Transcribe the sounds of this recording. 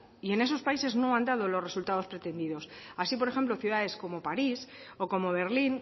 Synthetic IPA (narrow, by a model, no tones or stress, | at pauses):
ie̞ne̞so̞spaise̞zno̞and̪aðolo̞sre̞sult̪aðo̞spɾe̞t̪e̞nd̪iðo̞sasipo̞ɾe̞xe̞mplo̞θjuðaðe̞sko̞mo̞paɾiso̞ko̞mo̞β̞e̞ɾlin